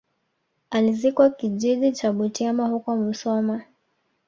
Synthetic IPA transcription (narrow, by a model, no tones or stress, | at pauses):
alizikwakiʄiɗit͡ʃaɓutiamahukɔmusɔma